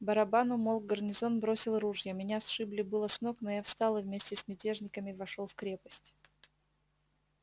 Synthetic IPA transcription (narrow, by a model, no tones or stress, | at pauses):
bəɾɐbanʊmolˠɡərnʲɪzo̞nbɾo̞sʲɪlˠɾuʐjəmʲɪnʲasʂɨblʲɪbɨlˠəsno̞knojafst̪ɑlˠɨvmʲesʲtʲɪsmʲɪtʲe̞ʐnʲɪkəmʲɪvɐʂolˠfkɾʲe̞pəsʲtʲ